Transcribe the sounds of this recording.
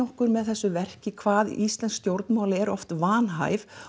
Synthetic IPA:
ɔhkʏɾmɛðθɛsːʏvɛr̥cɪkʰvaːðḭst̪lɛnskst̪jowɾt̪nmaːwlɪɛɾɔ̰ft̪vaːnɦa̰ːjv

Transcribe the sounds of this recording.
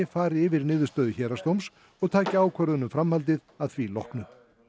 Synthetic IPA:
ɪfaːɾɪɪvɪɾnɪːðʏst̪œːðʏçɛːɾast̪owms | ɔɣt̪ʰaːcɪaːwkʰvœɾðʏnʏmfɾamhalt̪ɪðaðθvilɔ̰hknʏ

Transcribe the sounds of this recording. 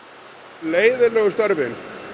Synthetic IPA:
leːjðɪlœɣst̪ɔɾvɪn

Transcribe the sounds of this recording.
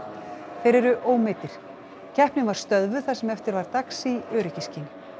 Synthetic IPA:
fejɾɛɾʏʔoːwmɪt̪ɪɾ̥ | cʰɛhpnɪnvaɾ̥st̪œðvʏ̥θasɛmɛft̪ɪɾvaɾt̪aksiœːɾɪcɪscɪn

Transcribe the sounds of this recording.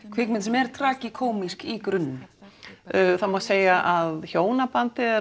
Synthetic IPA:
kʰvɪknmɪnt̪sɛmɛɾ̥t̪ʰɾaːcɪkʰoːwmiskikɾʏnːʏ | θamɔːseːjaʔaðçoːwnapant̪ɪ

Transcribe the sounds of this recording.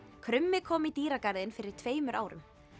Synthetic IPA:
kʰɾʏmːɪkʰɔːmit̪iːɾakaɾðɪnfɪɾɪɾ̥t̪ʰveːjmʏɾʔa̰ːwɾʏ̰m

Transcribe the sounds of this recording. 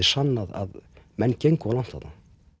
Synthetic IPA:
ɪ̥sanːaða̰ðmɛnːcejŋkawlan̥t̪hat̪na

